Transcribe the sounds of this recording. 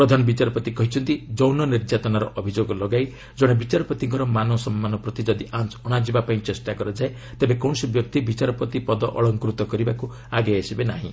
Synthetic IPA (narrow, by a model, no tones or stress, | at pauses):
pɾɔd̪ʱanɔbit͡ʃaɾɔpɔt̪ikɔɦit͡ʃʰɔnt̪id͡ʒɔwnɔniɾd͡ʒat̪ɔnaɾɔʔɔbʱid͡ʒoɡɔlɔɡaj | d͡ʒɔɽ̃ebit͡ʃaɾɔpɔt̪iŋkɔɾɔmanɔsɔmːanɔpɾɔt̪id͡ʒɔd̪iʔant͡ʃɔɽ̃ad͡ʒibapaĩt͡ʃesʈakɔɾɔd͡ʒae | t̪ebekɔñɔsibjɔk̚t̪ibit͡ʃaɾɔpɔt̪ipɔd̪ɔʔɔ̰ɭɔŋkɾut̪ɔkɔɾibaku | aɡeesibenaɦḭ̃